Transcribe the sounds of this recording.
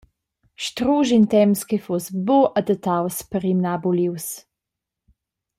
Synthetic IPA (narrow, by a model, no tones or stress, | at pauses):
ʃtɾuːʒint̪ɛmskefosboʔad̪ət̪awspəɾimnabuliws